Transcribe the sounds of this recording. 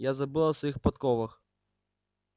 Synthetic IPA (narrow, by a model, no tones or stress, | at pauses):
jazabɨlˠasjixpat̪kɔvɨx